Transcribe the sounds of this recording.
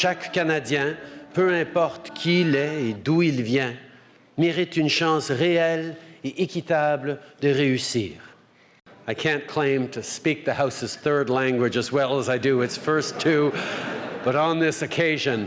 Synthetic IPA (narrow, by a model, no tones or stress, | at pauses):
ʃakːanad̪jɛ̃pøɛ̃pɔʁt̪kʲʰilɛed̪uilvjɛ̃ | meʁit̪ynʃɑ̃sʁeɛleʔekʲit̪abld̪əʁeysḭːʁ | aɪkʰæ̃nkʰl̥ẽɪ̃mtʰɨspik̚ðəhaʊsɨz̥θɜ˞dˡlæ̃ŋɡwɪd͡ʒɨzwɛlˠəzaɪduɪtsfɜ˞stʰːu | b̥ʌɾn̩ðɪsɨkʰeɪʒɨ̃n